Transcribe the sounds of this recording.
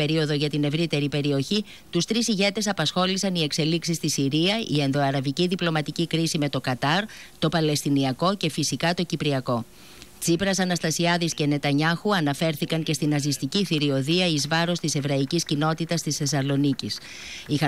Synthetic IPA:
e̞ɾio̞ðo̞ʝɐt̪ine̞vɾit̪e̞ɾipe̞ɾio̞çi | t̪ust̪ɾisiʝe̞t̪e̞sɐpɐsxo̞lisɐnie̞kse̞liksist̪isiɾiɐʔie̞nðo̞ɐɾɐviciðiplo̞mɐt̪icikɾisime̞t̪o̞kɐt̪ɐɾt̪o̞pɐle̞st̪iniɐko̞ce̞fisikɐt̪ocipɾiɐko̞ | t͡sipɾɐsɐnɐst̪ɐsiɐðisce̞ne̞t̪ɐɲɐxuɐnɐfe̞ɾθikɐŋce̞st̪inɐzist̪iciθiɾio̞ðiɐizvɐɾo̞st̪ise̞vɾɐiciscino̞t̪it̪ɐst̪isθe̞sɐlo̞nicis | ixɐ

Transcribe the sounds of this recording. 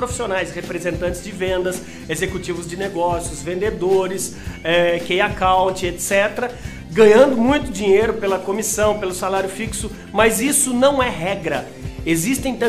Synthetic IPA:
pɾofi̥sionajshepɾezẽnt̪ɐ̃nt͡ʃɪzd͡ʒɪvẽnd̪ɐs | ezekut͡ʃivʊzd͡ʒɪneɡɔsjʊzvẽnd̪ed̪oɾɪs | ɛkejakawt͡ʃɪet̪sɛt̪ɾɐ | ɡɐ̃ɲɐ̃nd̪ʊmũj̃t̪ʊd͡ʒiɲejɾʊpelɐkomisɐ̃w̃pelʊsalaɾjʊfiksʊ | mɐzisʊnɐ̃w̃ɛɦɛɡɾɐ | ezist̪ẽj̃t̪ɐ̃

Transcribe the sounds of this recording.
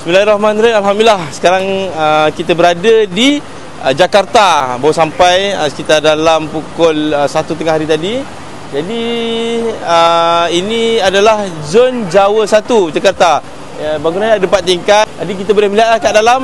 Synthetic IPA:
smilaiɾɔhmanɾanalɦamdilahsə̥kaɾaŋəkit̪abəɾadədi | d͡ʒakart̪abawəsampajəsə̥kit̪ardalampukʊləsat̪ut̪əŋahɦaɾit̪adi | d͡ʒadi | əiniadalahzond͡ʒawəsat̪ud͡ʒakart̪a | baɡunanadəpat̪ːiŋkat̪̚t̪adik̬it̪əbolɪhməliɦat̪lahkadalam

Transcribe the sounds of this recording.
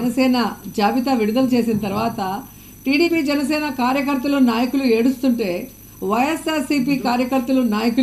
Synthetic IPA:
nɐsɛːnɐd͡ʒaːbit̪aʋiɽud̪ɐlɐt͡ʃe̞ːsinɐt̪ɐɾʋaːt̪ɐ | ʈiːɽiːpiːd͡ʒɛnɐsɛːnɐkaːɾjɐk̬ɐɾt̪ːɐlunaːjɐkulue̞ːɽust̪uɳʈe̞ː | ʋɐjesaːɾsipiːkaːɾjɐkɐɾt̪ːɐlunaːjɐku

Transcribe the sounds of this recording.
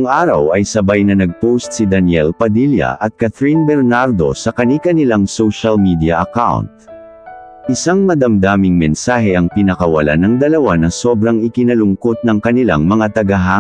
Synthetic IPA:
ʊŋʔaːɾɐ̰wɐjsɐbajnɐnɐɡ̚powst̪̚sid̪ɐnjɛlpɐd̪iljɐ̰ʔɐt̪̚kat̪ɾinbɛɾnaɾd̪o̞̰sɐkɐnikɐnɪlaŋsowʃɐlmid̪ijɐʔɐkawnt̪̚ | ʔɪsaŋmɐd̪ɐmd̪aːmɪŋmɛnsaːɦɛʔɐŋpɪnɐkɐwɐ̰la̰nɐŋd̪ɐlɐwanɐso̞bɾɐŋɪkɪnɐlʊŋko̞t̪̚nɐŋkɐnɪla̰ŋmɐŋat̪ɐɡɐɦaː

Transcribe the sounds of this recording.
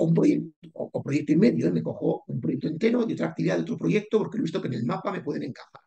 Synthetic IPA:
umpɾojek̚t̪oopɾo̞je̞k̚t̪oime̞ðjoeme̞ko̞xo̞umpɾojek̚t̪oent̪e̞ɾoio̞t̪ɾak̚t̪iβiðaðeot̪ɾo̞pɾo̞ʝe̞k̚t̪opo̞ɾkelist̪o̞kene̞lmapame̞pwe̞ðe̞ne̞ŋkaxaɾ

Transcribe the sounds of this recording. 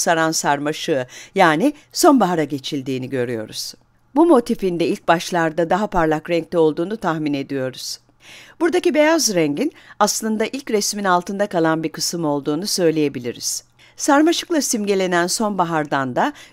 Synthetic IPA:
saɾansaɾmaʃɯɯjaːni | so̞nbaɦaɾaɟe̞t͡ʃʰilʲd̪iːniɟø̞ɾyjo̞̰ɾuz̥ | bumo̞t̪ʰifind̪ɛilʲc̚baʃlˠaɾd̪ad̪aɦapʰaɾlˠakɾɛɲc̚t̪ʰɛo̞lˠd̪uːnut̪ʰaxmine̞d̪ijo̞ɾuz̥ | b̥uɾd̪acibe̞jazɾɛɲɟinaslˠɯnd̪aʔilʲcɾɛsminalˠt̪ɯnd̪akalˠanbikʰɯsɯmo̞lˠd̪uːnusø̞jlʲeje̞bilʲiɾḭz̥ | saɾmaʃɯklˠasimɟelʲe̞nænso̞nbaɦaɾd̪and̪a

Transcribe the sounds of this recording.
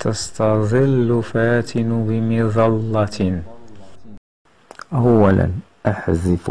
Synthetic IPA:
t̪ɑst̪ɑd̪ˤɪlːʊfaːt̪ʰɪnbɪmɪðˤɑlːɑt̪ | ʔawːæla̰nʔaħzɪf

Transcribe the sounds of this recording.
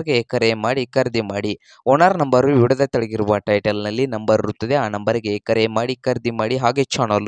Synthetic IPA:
ɾɡeeːkɐɾemaːɽikɐɾd̪imaːɽi | ɔːnaɾnɐmbɐɾuiɽɐd̪ɐt̪ɐɭɐɡiɾuʋɐʈɐjʈɐlnɐlːinɐmbɐɾɐɾut̪ːɐd̪e̞aːnɐmbɐɾiɡeeːkɐɾemaːɽikɐɾd̪imaːɽiɦaːɡe̞t͡ʃaːnɐl

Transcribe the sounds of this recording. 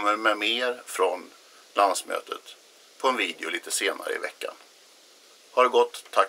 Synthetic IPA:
mːəɾmɛmeːɾfɾɔn | lansmø̰ːt̪ʰət̪ | pʰɔɛnviːd̪ɪʊliːt̪əseːna̰ɾə̰ɪ̰vɛ̰kːa̰n | haɖɛɡɔt̪ʰːa

